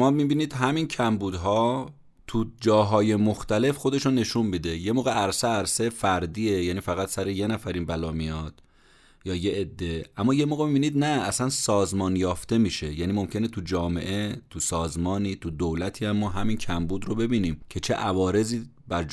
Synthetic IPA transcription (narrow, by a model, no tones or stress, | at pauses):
mɒːmibiːniːd̪̥ɦæmiːncʰæmbuːd̪ɦɒː | t̪ʰud͡ʒɒːɦɒːje̞moxt̪æle̞fxo̞d̪e̞ʃone̞ʃunmiːd̪e̞je̞moːɣeʔæɾseæɾsefæɾd̪iːejæːniːfæɣæt̪sæɾeje̞næfæɾinbælɒːmijɒːd̪̥ | jɒːjeʔːd̪ːe̞ʔæmːɒːje̞moːɣemibiːniːd̪næːsænsɒːzmɒnjɒːft̪e̞miːʃe̞jæniːmo̞mcʰe̞ne̞t̪ʰud͡ʒɒːme̞̰ʔe̞t̪ʰusɒːzmɒːniːt̪ʰud̪owlæt̪ʰiːæmːɒːɦæmiːncʰæmbuːd̪robe̞biːniːmcʰe̞t͡ʃʰe̞ʔævɒːɾe̞ziː | b̥æɾ